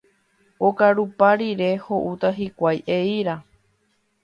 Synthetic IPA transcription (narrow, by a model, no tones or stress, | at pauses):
okaɾupaɾiɾe̞ho̞ʔut̪aɦikʷajʔeiɾa